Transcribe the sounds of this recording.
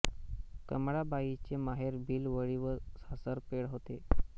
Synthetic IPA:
kəmɽabait͡ɕemaɦeɾbʱiːlʋəɭiʋəsasəɾpeɽɦot̪e

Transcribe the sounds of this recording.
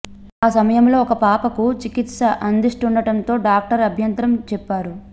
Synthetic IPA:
aːsɐmɐjɐmlo̞ːɔkɐpaːpɐkut͡ʃikit̪sɐʔɐnd̪iʂʈunɖɐʈɐnt̪o̞ːɖaːk̚ʈɐɾɐbʱjɐnt̪ɾɐmt͡ʃɛpːaːɾu

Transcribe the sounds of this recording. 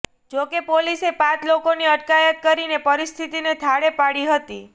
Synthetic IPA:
d͡ʒokepolisepãt͡ʃlokoniəʈkajət̪̚kəɾinepəɾist̪ʰit̪inet̪ʰaɽepaɽiɦət̪i

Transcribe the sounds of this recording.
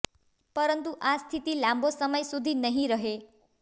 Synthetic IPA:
pəɾənt̪uʔast̪ʰit̪ilãmbʱosəməjsud̪ʱinəɦĩɾəɦe

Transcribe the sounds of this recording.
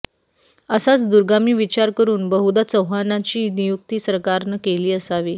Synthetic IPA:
əsat͡sd̪uɾɡamiːʋit͡ɕaɾkəɾuːnbəɦud̪at͡səwɦanat͡ɕiːnijuk̚t̪iːsəɾkaɾnəkeliːəsaʋiː

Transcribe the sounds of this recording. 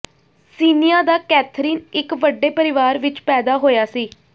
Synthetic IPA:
siːnɪjãːd̪aːkɛːt̪ʰɾiːnɪkʋəɖːeːpəɾɪʋaːɾʋɪt͡ʃpɛːd̪aːɦoːjaːsiː

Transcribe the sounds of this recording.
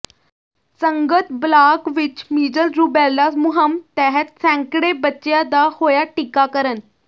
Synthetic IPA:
səŋɡət̪blakʋit͡ɕmiːd͡ʑəlɾuːbalːasmuɦəmt̪ɛɦət̪̚sɛ̃ŋkɽebətːɕjad̪ahojaʈikakəɾən

